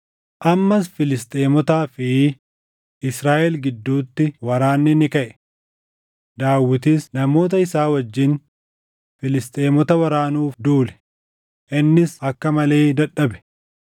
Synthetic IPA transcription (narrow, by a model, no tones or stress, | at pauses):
ʔɐmːɐs̬fɪlɪst̪ʼeːmɔt̪aːfɪ | ʔɪsɾaːʔɛlɡɪd̪ːuːt̪ːɪwɐɾaːnːɪnɪkɐʔɛ̥ | d̪aːwːɪt̪ɪsnɐmo̞ːt̪̬ɐɪsaːwɐd͡ʒːɪn | fɪlɪst̪ʼeːmɔt̪ɐwɐɾaːnuːfd̪uːlɛ̥ | ʔɪnːɪsɐkːɐmɐle̞ːd̪ɐᶑɐbɛ̥